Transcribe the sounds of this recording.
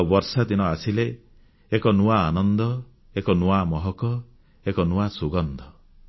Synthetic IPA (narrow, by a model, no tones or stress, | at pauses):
bɔɾsad̪inɔasileː | kɔnuaːnɔnd̪ɔ | ekɔnuamɔɦɔkɔ | ekɔnuasuɡɔnd̪ɔ